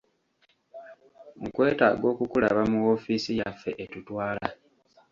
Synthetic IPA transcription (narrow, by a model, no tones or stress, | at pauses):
ukwe̞ːtaːɡo̞ːkukula̰βamuwo̞fiːsijafːe̞ʔetutwaːla